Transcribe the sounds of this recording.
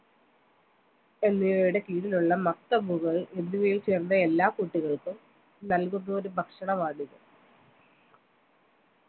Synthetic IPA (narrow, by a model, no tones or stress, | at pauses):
e̞nːiɐjuɽe̞kiːɽiluɭːɐmɐkt̪ɐbuɣɐɭe̞nːiʋɐjilt͡ɕeːrnːɐe̞lːaːkuːʈːiɣɐɭkum | nɐlkunːɐoɾubʱɐkʂɐɳɐmaːɽiɣɐ